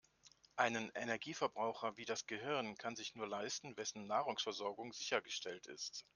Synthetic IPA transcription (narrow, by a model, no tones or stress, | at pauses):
ʔaɪnənʔenɛɐɡiːfɛɐbʁaʊxɐviːdasɡ̥əɦɪʁɐnkʰanzɪçnuːɐlaɪstn̩vɛsn̩ːaːʁʊŋsfɛɐzɔɐɡʊŋzɪçɐɡəʃtʰɛltɪ̰st